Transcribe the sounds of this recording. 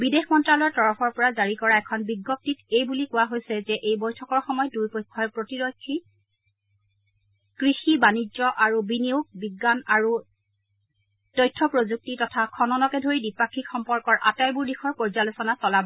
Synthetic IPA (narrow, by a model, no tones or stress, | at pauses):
bidexmɔntɹalɔɹtɔɹɔpʰɔɹpɔɹazaɹikɔɹaɛkʰɔnbiɡːɔp̚titejbulikʊwaɦojsɛzɛʔejbɔjtʰɔkɔɹxɔmɔjɔdujpɔjkʰːɔjpɹotiɹɔkʰːi | kɹixibanizɔʔaɹubinioɡ̚biɡːanaɹu | tɔjtʰːɔpɹozuk̚titɔtʰakʰɔnɔnɔkɛdʱoɹidipakʰːikxɔmpɔɹkɔɹʔa̰tajbuɹdixʰɔɹpɔɹzalosɔnasɔlab